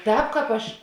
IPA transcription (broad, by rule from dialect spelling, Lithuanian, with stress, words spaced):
ˈtʲɛːp ˈkɑːp ˈɐʃ